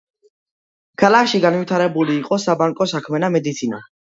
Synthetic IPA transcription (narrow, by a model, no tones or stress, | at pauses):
kʰalakʰʃiɡanvit̪ʰaɾɛbuliːqʼɔsabaŋkʼɔsakʰmɛnamɛd̪it̪sʰina̰